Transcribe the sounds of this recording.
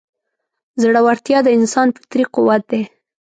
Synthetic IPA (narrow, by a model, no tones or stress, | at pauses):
zɽawaɾt̪jɑd̪əɪnsɑnpə̥t̪ɾiqʊwat̪̚d̪e